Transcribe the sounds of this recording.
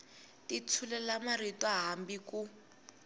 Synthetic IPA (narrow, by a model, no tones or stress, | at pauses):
tit͡sʰulɛlamaritwaɦambiku